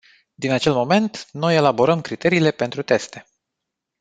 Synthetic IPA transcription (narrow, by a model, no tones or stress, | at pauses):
d̪inat͡ʃe̞lmo̞me̞nt̪no̞je̞labo̞ɾəmkɾit̪e̞ɾiːle̞pe̞nt̪ɾut̪e̞st̪e̞